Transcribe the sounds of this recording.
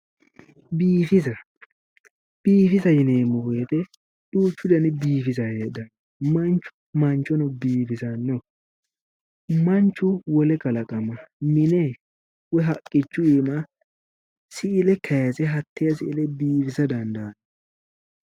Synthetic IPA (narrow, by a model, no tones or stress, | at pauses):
biːfɪzɐ | b̥iːfɪzɐjɪneːmʊweːt̪ɛ | ɗuːt͡ʃːʊd̪ɐnɪbiːfɪzɐjed̪ɐn | mɐnt͡ʃːʊ̥mɐnt͡ʃːɔnɔbiːfɪzɐnːɔ | mɐnt͡ʃːʊwɔlɛkɐlɐkʼɐmɐmɪne | wɛɦɐkʼːɪt͡ʃːʊiːmɐ | sɪʔɪlɛkʰɐjasɛɦɐt̪ːɪjɐsɪʔɪlɛbiːfɪzɐd̪ɐnd̪ɐːn